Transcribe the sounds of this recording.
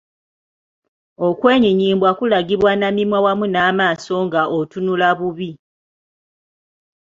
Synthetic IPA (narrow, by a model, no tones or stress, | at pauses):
o̞kwe̞ːɲiɲiːmbwakulaɡiβwanamimwawamunaːmaːso̞ŋɡaʔotunulaβuβi